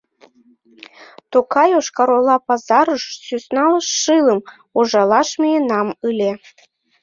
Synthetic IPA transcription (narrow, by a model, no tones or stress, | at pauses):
t̪okɑjoʃkɑɾolɑpɑzɑɾəʃsysnɑləʃːɨləm | oʒɑlɑʃmʲijenɑmɯlʲe